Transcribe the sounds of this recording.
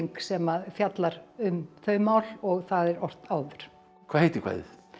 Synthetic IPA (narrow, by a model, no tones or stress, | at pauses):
ŋksɛmaðfjat̪laɾʏmθœɥmaːwlɔɣθaðɛɾɔr̥t̪aːwðʏɾ̥ | kʰvaːhejt̪ɪ̥kʰva̰jð